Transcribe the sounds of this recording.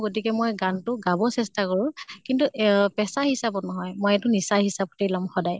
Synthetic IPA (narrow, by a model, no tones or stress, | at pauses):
ɡotikɛmojɡantʊɡabɔsɛstakɔɹʊkintuʔpɛsaɦisapɔtnɔɦɔjmojɛtʊnisahisap̚telɔmxɔdaj